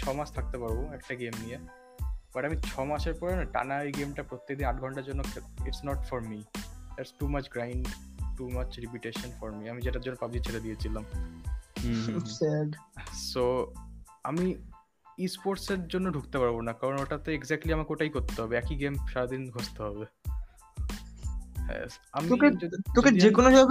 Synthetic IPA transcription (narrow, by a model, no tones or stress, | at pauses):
t͡ɕʰɔmaʃt̪ʰak̚t̪epaɾboɛk̚ʈaɡemnije | baʈamit͡ɕʰɔmaʃeɾpɔɾenaʈa̰naojɡemʈapɾot̪ːek̚d̪inaʈɡʱɔɳʈaɾd͡ʑonːokiʈsnɔʈfɔɾmid̪eɾsʈumat͡ɕɡɾajɳɖʈumat͡ɕɾipiʈeʃonfɔɾmiamid͡ʑeʈaɾd͡ʑonːopabiet͡ɕʰeled̪iet͡ɕʰilam | sosɛɖso | ami | ispoɾʈseɾd͡ʑonːoɖʱukt̪epaɾbonakaɾonoʈat̪oeɡzɛk̚ʈliamakeoʈaikoɾt̪eɦɔbeɛkiɡemʃaɾad̪inɡʱost̪eɦɔbe | hɛ̰amiokeet̪oked͡ʑekonod͡ʒɔ